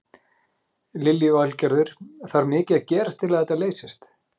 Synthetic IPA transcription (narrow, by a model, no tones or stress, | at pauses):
lɪljivalcɛɾðʏɾ̥θaɾmɪːcɪacɛːɾast̪ʰɪlaðɛt̪ːaleːjsɪst̪